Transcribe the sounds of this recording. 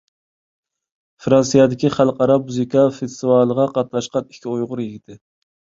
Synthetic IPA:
fɾɑnsijɑd̪ɪkʲiχælˠqɑɾɑmuzikʰɑfest̪ɨvɑlˠəʁɑqʰɑt̪̚nɑʃqɑni̥kʲʰiojʁʊɾjiɡʲit̪ʰɪ

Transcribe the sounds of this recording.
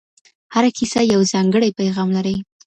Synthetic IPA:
haɾakʰisajawzɑŋɡəɽajpajɣɑmlaɾəj

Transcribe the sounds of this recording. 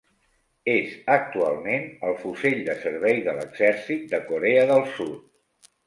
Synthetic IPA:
ezək̚t̪ua̰lˠmenəlˠfuzeʎd̪əsəɾβɛjðələ̰ɡz̥ɛɾsit̪̚d̪əkuɾeəðəlˠsut̪̚

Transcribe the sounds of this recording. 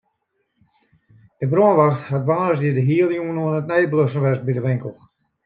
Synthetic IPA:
dəbroənʋaxthatʋaːnəsdiədəɦiəlˠjuənuənətnɛjbløsən̩ʋɛst̚bidəʋɪŋkəl̩ˠ

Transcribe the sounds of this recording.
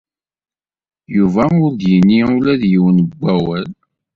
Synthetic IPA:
juvæʊɾd̪jinːiulæðjiwənəbʷːæwæl

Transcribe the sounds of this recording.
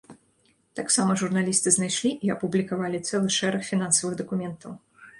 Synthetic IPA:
t̪aksamɐʐurnalʲist̪ɨznajʂlʲiʔiɐpublʲikavalʲit̪sɛlˠɨʂɛɾɐxfʲinansɐvɨɣd̪ɐkumʲɛnt̪ɐw

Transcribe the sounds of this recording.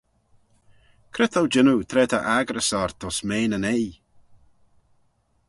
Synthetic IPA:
kʰɾɪt̪əwd͡ʒɪnut̪ʰɾɛːt̪ʰəʔaɡɾəsɔɾt̪ʰɔsmeːnənej

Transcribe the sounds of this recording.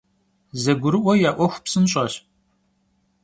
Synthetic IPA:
zɐɡʷʊɾɨʔʷɔjaːʔʷɔxʷpsɨnɕʼɐɕ

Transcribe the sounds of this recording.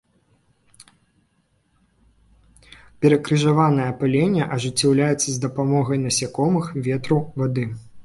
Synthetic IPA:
pʲɛɾɐkɾɨʐavanɐjɐpalʲenʲːɐʔɐʐɨt͡sʲːawlʲajɛt̪sːɐzd̪ɐpamɔɣɐjnɐsʲakɔmɨxvʲɛt̪ɾuvad̪ɨ

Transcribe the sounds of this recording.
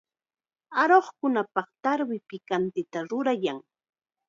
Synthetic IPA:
aɾoχkʊnapɑχt̪aɾwɪpɪkant̪ɪt̪aɾʊɾajaŋ

